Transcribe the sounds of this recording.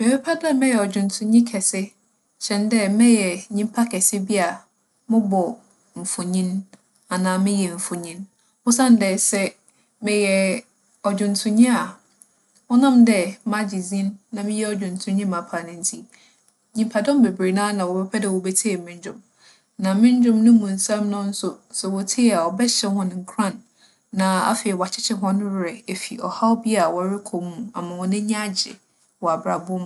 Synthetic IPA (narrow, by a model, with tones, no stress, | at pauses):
me˨bɛ˦pʰa˦da˦mɛ̃˦jɛ˨ɔ˨d͡ʑᶣʊ̃˨n˨tʰʊ̃˨ɲĩ˦kʰɛ˨sɪ˦ | ɕɛ̃˨ndɛ˦mɛ̃˦jɛ˨ɲĩ˦m˦pʰa˦kʰɛ˨sɪ˦bi˦a˨ | mʊ̃˦bɔ˨ | m̩˨fʊ˨ɲĩ˦n | a˨nãː˨mɪ̃˦jɛ˨ɱ̩˨fʊ˨ɲĩ˦n | hʊ˦sã˦n˦dɛ˨sɛ˦ | mɪ̃˨jɛ˨ | ɔ˨d͡ʑᶣʊ̃˨n˨tʰʊ̃˨ɲĩ˦a˨ | wɔ˦nã˦mdɛ˦mã˦d͡ʑi˨zĩ˦nːã˨mɪ̃˦jɛ˦ɔ˨d͡ʑᶣʊ̃˨n˨tʰʊ̃˨ɲĩ˦mã˨pʰa˨nɪ̃˦n̩˦tʰi˦ | ɲĩ˨mpʰa˨dɔ̃˦m˦be˨bɾe˨nãː˦nã˨wɔ˨bɛ˦pʰɛ˦dɛ˨wɔ˨bɛ˦tʰe˦ɛ˨mɪ̃˦ɲ˦d͡ʑᶣʊ̰̃˨m | nã˨mɪ̃˦ɲ˦d͡ʑᶣʊ̃˦mnʊ̃˦mũ˨n̩˨sã˦mnʊ̃˦n̩˦sʊ˦sɛ˨wɔ˨tʰe˦˨a˨ɔ˨bɛ˦ɕɛ˦ɦʊ̃˦ñ˨ŋ̩˨˦kʰɾã˦˨nː | ã˨a̰˦fɪ˨ɛ˨wa˨t͡ɕʰɪ˦t͡ɕʰɪ˦ɦɔ̃˦ñ˦wɾɪ˨e˨fi˨ɔ̰˨ha˦wbɪ˦a˨wɔ˨ɾɪ˦kʰɔ˨mũ˦˨a˨mã˨wɔ˨nɪ̃˦ɲ˦a˦d͡ʑɪ̰˨ | wɔ˨a˨bɾa˨bʊ˦m˨